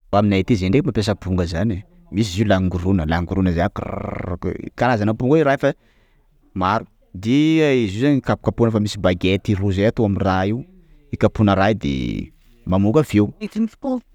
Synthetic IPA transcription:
aminait̪izeɳɖ͡ʐekmapes̬əbuŋɡəzani | mis̬iziulaŋɡuɾunəlaŋɡuɾunəzeakr̰kkaɾazanəbuŋɡweɾafa | maɾu̥ | d̪iaizizanikapu̥kapunəfamisibaɡet̪iruzeat̪uaminraiu | ikapunəɾajd̪ḛ | mamuɡəveuet̪infi̥k̪ol

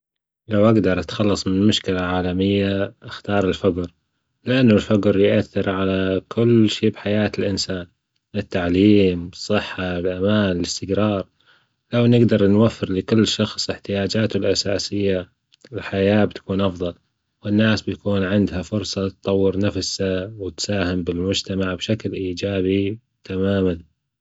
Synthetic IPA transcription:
lawʔaɡd̪ɑɾˤʔat̪xɑlːɑsˤmɪnmʊʃkɪlaʕaːlamɪjːaʔaxt̪ɑːɾˤɪlfʊɡɾ | lɪʔanːʊlfaɡɾjʔaθːɪɾʕalakʰʊlːʃiːbħajaːt̪ɪlʔɪnsaːn | ɪt̪ːaʕliːmsˤːɨħːalʔamaːnɪlɪst̪ɪɡɾɑːɾˤ | lawnɪɡd̪ɑɾˤnwafːɪɾlɪkʊlːʃɑxsˤʔɪħt̪ɪjaːd͡ʒaːt̪ʊlʔasaːsɪjːa | ɪlħajaːb̚t̪ḁkuːnʔɑfðˤɑl | wɪnːaːsbt̪akuːnʕɪnd̪hafʊɾsˤɑt̪t̪ˤɑwːɪɾnafsawɪt̪saːhɪmbɪlmʊd͡ʒt̪amaʕbʃaklʔiːd͡ʒaːbi | t̪ʰamaːman

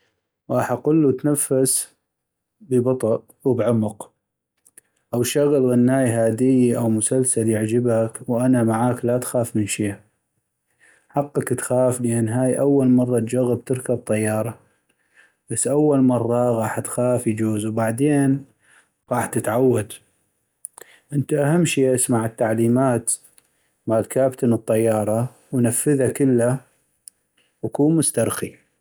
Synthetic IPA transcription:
ɣɑːħʔaqʊlːut̪nafːas | bəbɑt̪ˤɑʔ | wbʕʊmʊq | ʔawʃaɣlɣanːaːjɦaːd̪ɪjiʔawmʊsalsaljɪʕd͡ʒɪbakwʔanamaʕaːklat̪xaːfmənʃiːa | ħɑqːɑkt̪xaːfləʔanːɦaːjʔawːalmɑrˤːɑt̪d͡ʒaɣːəb̚t̪ɪɾkab̚t̪ˤɑjːɑːɾˤɑ | b̥asːʔawːalmɑrˤːɑɣɑːħt̪xaːfjd͡ʒuːzwbaʕd̪eːn | ɣɑːħt̪ɪt̪ʕawːad̪ | ʔɪnt̪aʔaɦamːʃeːʔasmaʕət̪ːaʕliːmaːt̪ | maːlkaːbt̪ɪnɨt̪ˤːɑjːɑːɾˤɑ | wnafːəðakɪlːa | wakuːmʊst̪ɑɾˤxi

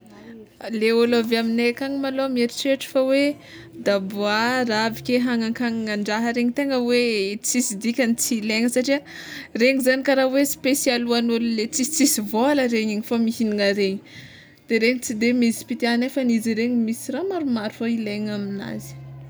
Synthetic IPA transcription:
leolaveaminekaɲimalomeɾiʈ͡ʂeʈ͡ʂə̥fawe | d̪abuaravikʲeɦaŋaŋkʰaŋiŋaɳɖ͡ʐaɦəɾeɲit̪eŋəwet͡sisid̪ikʲanit͡sileŋəsaʈ͡ʂiə | reŋizanikaɾawespesjaluanullet͡sit͡sisivoaləɾeɲiɲifamihiniŋəɾeɲi̥ | d̪̥eɾeɲit͡sid̪emizi̥pit̪ianefəniziɾeɲimisiramaɾumaɾufoileɲamina̰zi̥

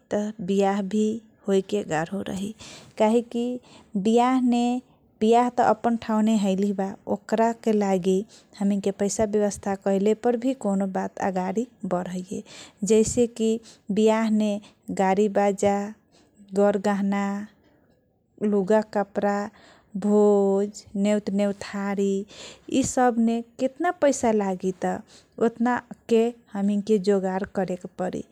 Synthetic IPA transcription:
t̪əbijaɦbʱi | hojkeɡaɾoɾə̰ɦikaɦikibijaɦne | b̥ijaɦt̪ɔʔəpənʈʰãneɦəɪlibaokɾakelaɡi | həmikepəɪsabjəβəst̪ʰakəilepəɾbʱikonobat̪a̰ɡaɾibəɾəjjḛd͡ʒəɪsekibijaɦne | ɡaɾibad͡ʒa | ɡəɾɡaɦna | luɡakəpɾa | bʱod͡ʒnewt̪newt̪ʰaɾiisəbʱneket̪napəɪsalaɡit̪ɔ | ot̪nakehəmiŋked͡ʒoɡaɾkəɾekpəɾḭ

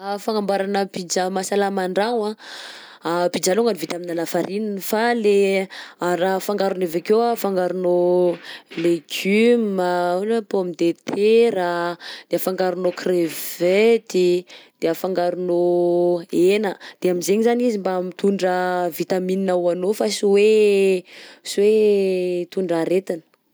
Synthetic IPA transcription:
afaŋambaɾanəpid͡ʒamasalamaɳɖ͡ʐaŋa | pid͡ʒaluŋɡanivit̪aminalafaɾʔininfaleaɾafaŋɡaɾunevakewafaŋɡaɾuno | leɡyməonapomid̪et̪ʰeɾad̪̥eafaŋɡaɾunokrevet̪id̪̥eafaŋɡaɾuno | enəd̪̥eamizeɲizanizimbaamit̪uɳɖ͡ʐəvit̪amininawanofasiwe | swe | t̪uɳɖ͡ʐaɾet̪inə̥

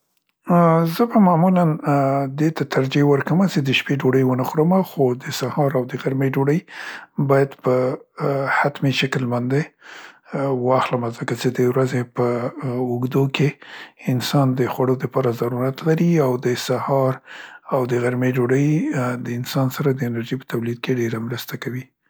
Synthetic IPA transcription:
zəbamamuland̪et̪at̪ʰaɾd͡ʒewəɾkəmat͡ʃed̪əʃpeɖoɽəjwənaxɾəmaxod̪əsahɑɾawd̪əɣaɾmeɖoɽəjbɑjad̪pə | hat̪meʃakəlmand̪e | wɑxləmazəkat͡ʃed̪əwɾazepəʊɡd̪okeɪnsɑnd̪əxwaɽod̪əpɑɾazaɾuɾat̪laɾiawd̪əsahɑɾawd̪əɣaɾmeɖoɽəjd̪əɪnsɑnsaɾad̪əɪnaɾʒipə̥t̪awlid̪̚keɖeɾamɾəst̪akawi

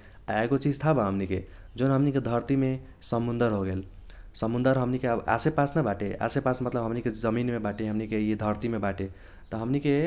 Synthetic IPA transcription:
aeɡot͡ʃid͡ʒt̪ʰabaɦəmnike | d͡ʒonɦəmniked̪ʱəɾt̪ime | səmund̪əɾɦoɡel | səmund̪əɾɦəmnikea̰sepasnəbaʈea̰sepasmət̪ləbɦəmniked͡ʒəminmebaʈeɦəmnikeed̪ʱəɾt̪imebaʈe | t̪ʌɦəmnike

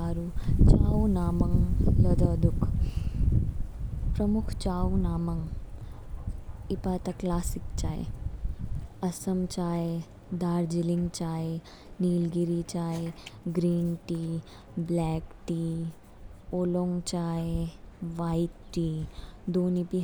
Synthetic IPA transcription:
aːɾut͡ʃaːwnaːmɐŋlɐd̪ɐd̪uk | pɾɐmukʰt͡ʃaːwnaːmɐŋ | ipaːt̪ɐklaːsikt͡ʃaːḛ | ɐsɐmt͡ʃaːe | d̪aːɾd͡ʒiliŋɡt͡ʃaːe | niːlɡiɾit͡ʃaːeɡɾiːnʈiː | blɛːkʈi | oːloːŋɡt͡ʃaːeʋaːjt̪ːiːd̪oːnipi

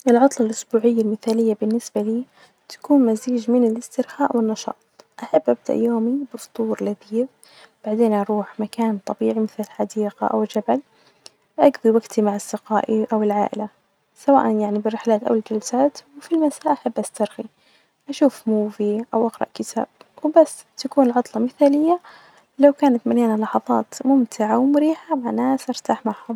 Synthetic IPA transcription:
ʔɪlʕʊt̪ˤlɑlʔʊsbuːʕɪjːalmɪθaːlɪjːabɪnːɪsbaliː | t̪ḁkuːnmaziːd͡ʒmɪnɪlɪst̪ɪɾhaːʔwɪnːɑʃɑ̰ːt̪̚ˤʔaħabːʔab̚d̪a̰ʔjoːmibʊft̪ˤuːɾlad̪iːf | b̥aʕd̪eːnʔɑɾˤuːħmakaːnt̪ˤɑbiːʕimɪθlɪlħad̪iːqa̰ʔa̰wɪld͡ʒabal | ʔaɡðiwaɡt̪ʰimaʕɑsːɪqa̰ːʔiʔawɪlʕa̰ːʔɪ̰la | sawa̰ːʔanjaʕnibɪrːɪħlaːt̪ʔa̰wɪld͡ʒalsaːt̪wfilmasaːʔaħabːʔast̪ɑɾˤɣi | ʔaʃuːfmuːviʔawʔɑɡɾˤɑ̰ʔkɪt̪ʰa̰ːb̚wbasː | t̪akuːnɪlʕɑt̪ˤlɑmɪθaːlɪjːa | lawkaːnat̪maljaːnalɑħɑðˤɑ̰ːt̪mʊmt̪ʰɪʕawmʊɾiːħamanaːsʔɑɾˤt̪aːħmaʕhʊm

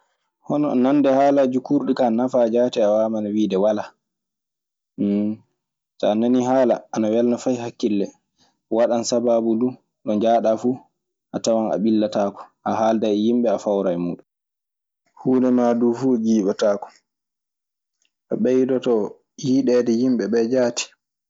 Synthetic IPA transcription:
hɔnɔ̰nandɛhaːlad͡ʒukuɾɗikanafad͡ʒaːtɛawaːmanawiːdɛwala | tɔːnaniɦaːla̰anawɛlnafajhakːilːɛ | waɗansababudu | ɗɔnd͡ʒaːɗafu | ʔatawana̰ɓilːataːkɔ̥ʔaɦaːldajjimɓɛafawɾajmṵːɗum | huːnɛmadufuɡiːɓataːkɔ̥ | ʔaɓɛjdɔtɔ | jiːɗɛdɛjimɓɛɓɛd͡ʒaːti̥

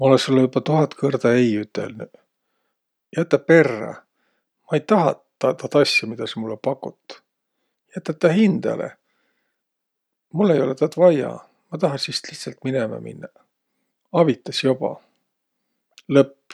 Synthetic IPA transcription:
mɑo̞lesulːejubɑt̪uɦɑt̪kʰɤrd̪̥ɑejyt̪ːˑḛlny | jæt̪ˑːɑpe̞rːɑ̰ | mɑejt̪ɑɦɑ | ɑt̪ɑt̪ɑsʲjɑmid̪̥ɑsemulːepɑkːˑut̪ːˑ | jæt̪ːˑɑt̪ːˑɑhind̪̥ɑ̰lḛ | mulːe̞jo̞let̪ɑt̪vɑjɑ̰ | mɑt̪ɑɦɑsist̪liht̪sɑlt̪minemɑ̰mḭnːɑ | ɑvit̪ˑːɑsjobɑ̰ | lɤpː

